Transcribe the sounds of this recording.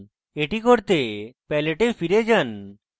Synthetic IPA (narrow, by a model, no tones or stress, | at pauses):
eʈikoɾt̪epɛleʈefʰiɾed͡ʒan